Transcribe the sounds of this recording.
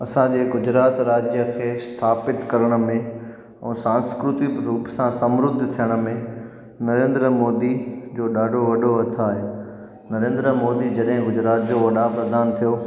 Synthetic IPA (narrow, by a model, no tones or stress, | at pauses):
ɐsãd͡ʑeːɡʊd͡ʑɾaːt̪ɾaːd͡ʑjəkʰeːst̪ʰaːpɪt̪kɐɾəɽ̃ə̆mẽ | ɛ̃ːsãːnskɾʊt̪ɪkɾuːpsãsɐ̃mɾʊd̪ʱt̪ʰijəɽ̃̆mẽ | nɐɾẽːnd̪ɾəmoːd̪id͡ʑoːɗaːɖʱoʋɐɗʱoɐt̪ʰaːɦe | nɐɾẽːnd̪ɾəmoːd̪id͡ʑɐɗɦɪ̃ɡʊd͡ʑɾaːt̪̚d͡ʑoːʋɐɗapɾɐd̪ʱaːnt̪ʰijo